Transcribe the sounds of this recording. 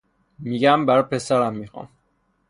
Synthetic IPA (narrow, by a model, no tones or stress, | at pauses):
miɡæmbæɾpʰesæɾæmːixɒ̰m